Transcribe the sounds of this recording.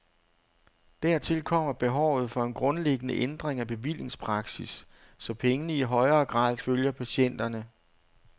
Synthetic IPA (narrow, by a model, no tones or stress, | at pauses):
d̥æɐ̰t͡sʰe̝lkʰɒ̽m̰ɐb̥e̝ɦɒʊ̰ð̞̩ˠfɒ̽e̝nɡ̥ʁɔ̽nleɡ̥ənəʔend̥ʁeŋæb̥e̝ʋil̰je̝ŋspʰʁɑ̈ɡ̥sisː | ɒ̽pʰeŋənəiɦɒ̽ɪɐːɡ̥ʁɑ̰̈ːðˠføljɐpʰæɕen̰d̥ɐnə